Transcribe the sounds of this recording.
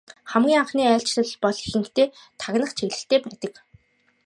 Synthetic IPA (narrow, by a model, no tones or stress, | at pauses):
χæmɡʲiːŋaɴχniːæːɬt͡ɕɮə̆ɮpɔɮixɘ̆ŋkt̪eː | t̪ʰaɣnə̆χt͡ɕʰeɣɮɘ̆ɬt̪eːpæːt̪ə̆k